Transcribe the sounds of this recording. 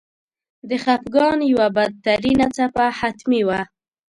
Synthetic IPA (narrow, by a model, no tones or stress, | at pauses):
d̪əχapɡɑnjawabad̪̚t̪aɾinat͡sapahat̪miwa